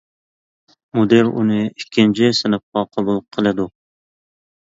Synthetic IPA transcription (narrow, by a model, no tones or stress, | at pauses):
mod̪eɾṵnɪikʲʰːɪnt͡ʃʰɪsɨnɨp̚qɑqʰɑbulˠqʰəlˠɨd̪u